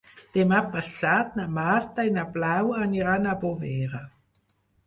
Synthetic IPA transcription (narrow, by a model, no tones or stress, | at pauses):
d̪̥emapasat̪namart̪ainablawaniɾanaboveɾa